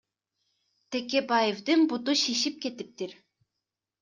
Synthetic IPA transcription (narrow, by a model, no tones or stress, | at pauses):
t̪ʰekʲebɑjevd̪ɨnbut̪uʃiʃip̚kʲet̪ip̚t̪iɾ